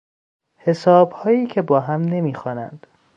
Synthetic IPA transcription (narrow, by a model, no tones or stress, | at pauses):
he̞sɒːbhɒːjiːcʰe̞bɒːɦæmne̞miːxɒːnæ̰nd̪̥